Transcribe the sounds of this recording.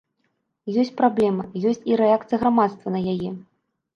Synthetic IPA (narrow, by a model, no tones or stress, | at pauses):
jɔsʲt͡sʲpɾablʲɛmɐjɔsʲt͡sʲiɾɛak̚t̪sɨjəɣɾamat̪st̪vɐnɐjajɛ